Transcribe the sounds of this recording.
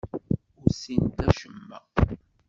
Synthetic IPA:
ʊɾsint̪æʃəmːæ

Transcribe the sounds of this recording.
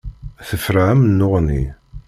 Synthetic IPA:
θəfɾaʕæmnːoʁnḭ

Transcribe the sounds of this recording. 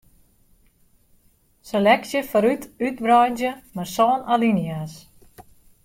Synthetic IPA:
selɛksjəfɔɾytyt̚brɔjnzjəmasɔːnalinjas

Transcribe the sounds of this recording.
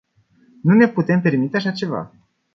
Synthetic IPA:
nune̞put̪e̞mpe̞rmit̪e̞aʃat͡ʃe̞va̰

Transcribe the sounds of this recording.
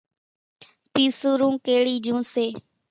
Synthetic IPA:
piːsuːɾũːkeːɽiːd͡ʒũːseː

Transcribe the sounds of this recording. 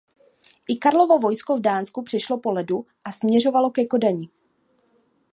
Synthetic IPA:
ʔɪkaɾlo̞vo̞vo̞jskovdaːnskupr̥ɛʃlopo̞lɛdu | ʔasmɲɛr̝o̞valo̞kɛko̞daɲɪ

